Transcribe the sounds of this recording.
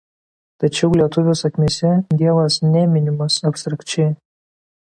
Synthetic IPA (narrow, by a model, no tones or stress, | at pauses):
t̪ɐt͡ʃʲɛʊlʲiɛt̪ʊʋʲɛːsɐkʲmʲesʲɛd̪ʲiɛʋɐsnʲɛmʲɪnʲɪmɐsɐpʲst̪ɾɐkt͡ʃʲɛɪ